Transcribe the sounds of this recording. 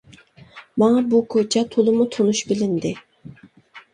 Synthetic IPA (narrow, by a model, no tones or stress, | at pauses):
mɑŋɑbukʰot͡ʃʰɛt̪ʰolˠɨmut̪ʰonuʃbɪlɪnd̪ɪ